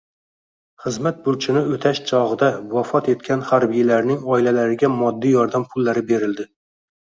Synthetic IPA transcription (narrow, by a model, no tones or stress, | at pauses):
χɨzmat̪̚bʊɾt͡ʃʰɪnɪot̪ʰaʃt͡ʃʰɒʁɨd̪awafɒt̪e̞t̪̚kʲʰanhaɾbɪjalaɾnɪŋɒɪlalaɾɪɡʲamɒd̪ːɪjɒɾd̪ampʰʊlːaɾɪbe̞ɾɪld̪ɪ